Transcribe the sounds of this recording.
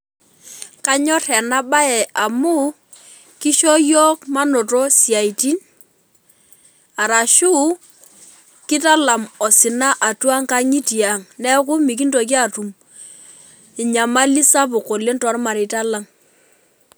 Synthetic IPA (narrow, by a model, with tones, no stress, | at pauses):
ka˦ɲɔ˦tɛ˨na˦ba˦ɛ˨a˨mu˦ | ki˦ʃɔ˦jɔ˦kma˦no˨tɔ˦sja˨i˨ti˦n | a˨ɾa˨ʃu˦ | kɪ˦ta˦la˨mɔ˨sɪ˨na˦ʔa˨twa˦ŋka˦ŋi˦ti˨a˨ŋnɛ˦k̬ʊ˦mi˨k̬i˦nto˨k̬i˦a˦˨tu˨m | ɪ˨ɲa˨ma˦li˦sa˦p̬ʊ˨ko˨le˦ntɔ˨˦ɾma˨ɾɪ˨ta˦la˦ŋ